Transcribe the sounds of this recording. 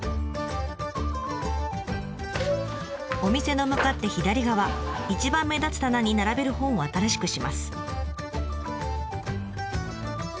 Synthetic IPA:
o̞mʲise̞no̞mɯ̟kat̪ːe̞çid̪aɾʲiɡaβait͡ɕibãmːe̞d̪at͡sɨ̥t̪anaɲ̟inaɾabe̞ɾɯ̟hõ̞ɰ̃o̞at̪aɾaɕi̥kɯ̟ɕimasɨ̥

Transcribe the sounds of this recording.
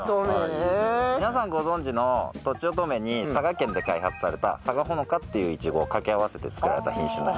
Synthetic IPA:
inasãŋɡo̞zõ̞ɲd͡ʑino̞t̪o̞t͡ɕio̞t̪̬o̞me̞ɲ̟isaɡakẽ̞nd̪e̞kaihat͡sɨ̥saɾe̞t̪a̰saɡaɦo̞no̞kat̪ːe̞jɯ̟ːit͡ɕiɡo̞ːkakeaβase̞t̪e̞t͡sɨ̥kɯɾa̰ɾe̞t̪a̰çĩɕɨ̰̃nd̪a

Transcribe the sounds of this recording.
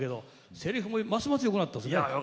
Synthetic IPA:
ke̞d̪o̞ | se̞ɾʲiɸɯmomasɨmasɨjo̞kɯnat̪ːasɨne

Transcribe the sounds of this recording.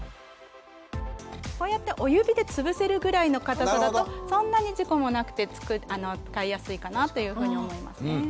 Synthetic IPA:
ko̞ːjat̪ːe̞ʔo̞jɯ̟bʲid̪e̞t͡sɨbɯ̟se̞ɾɯ̟ɡɯ̟ɾaino̞kat̪aad̪at̪o̞sõ̞nːaɲ̟iʑiko̞mo̞nakɯ̟̥t̪e̞t͡sɨ̥kɯano̞t͡sɨ̥kaijasɨikanat̪o̞jɯ̟ːɸɯ̟ːɲ̟io̞mo̞ima̰sɨne

